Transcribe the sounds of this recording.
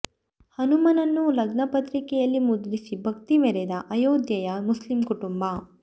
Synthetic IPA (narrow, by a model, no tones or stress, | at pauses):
hɐnumɐnɐnːulɐɡnɐpɐt̪ɾikɛjɐlːimud̪lisibʱɐk̚t̪imɛɾɛd̪ɐʔɐjoːd̪jɐjɐmuslimkuʈumbɐ